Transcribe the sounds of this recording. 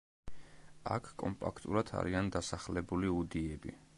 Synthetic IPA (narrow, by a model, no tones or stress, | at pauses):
a̰kʰkʼɔ̰mpʼa̰kʰt̪ʼulˠat̪ʰa̰ɾiand̪asaχlɛbuliud̪iɛbḭ